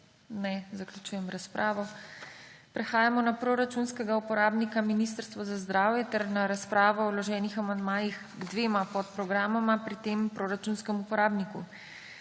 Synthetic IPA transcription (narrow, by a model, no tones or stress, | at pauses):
nɛzaklʲjʲut͡ʃuːjɛmɾaspɾʔaːʋɔ | pɾɛxaːjamɔnapɾoɾat͡ʃunskɛɡaupɔɾaːbnikaminist̪əɾst̪ʋɔzazd̪ɾaːwjɛt̪ɛɾnaɾaspɾaːʋɔɔwlɔʒɛːnixamand̪maːjix | ɡd̪ʋeːmapɔt̪̚pɾɔɡɾaːmɔmapɾit̪empɾoːɾat͡ʃunskɛmupɔɾaːbniku